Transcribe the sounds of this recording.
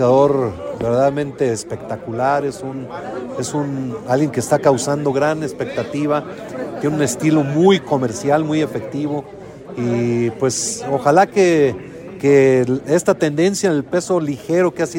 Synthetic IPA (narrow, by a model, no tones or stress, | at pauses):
aðo̞ɾbe̞ɾðaðamẽnt̪eːspe̞kt̪akulaɾe̞sune̞sunalɣje̞ŋkest̪akawsand̪o̞ɣɾanespe̞k̚t̪at̪iβa | t̪jenune̞st̪ilo̞mujko̞me̞ɾsjalmuje̞fe̞k̚t̪iβo̞ | ipwe̞soxalake | keest̪at̪e̞nd̪e̞nsjanelpe̞so̞lixe̞ɾo̞keas